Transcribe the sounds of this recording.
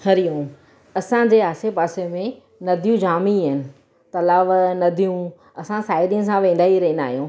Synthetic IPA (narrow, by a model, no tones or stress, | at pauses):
hɐɾijũː | ɐsãd͡ʑeːaːsepaːsemẽ | nɐd̪ʱijũd͡ʑaːmiɦɪnɪ̆ | t̪ɐlaːʋnɐd̪ʱijũ | ɐsãsaːɪɾijə̃nɪsãʋẽːnd̪aːiɾɐɦĩnd̪a̰ːɦijũː